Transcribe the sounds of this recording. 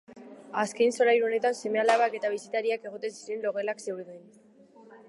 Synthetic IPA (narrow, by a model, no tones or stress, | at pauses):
askejnso̞ɾajɾuo̞ne̞t̪anse̞me̞alaβake̞t̪aβ̞isit̪aɾiake̞ɣo̞t̪e̞nsiɾe̞nlo̞ɣe̞lakse̞wɾðuin